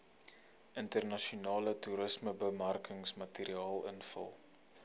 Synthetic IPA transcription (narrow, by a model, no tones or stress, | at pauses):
əntərnɐʃiunɑːlətuɾəsməbəmɐrkəŋsmɐtiɾiɑːlə̰nfə̰lˠ